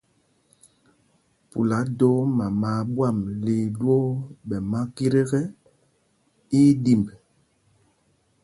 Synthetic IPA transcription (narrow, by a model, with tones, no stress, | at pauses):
pṵ˨la˨˦do˦ma˨ma˨ɓwa˦˨mli˨dwɔ˦ɓɛ˨ma˦ki˦ɾe˦ɣɛ˦ | i˦di˨mb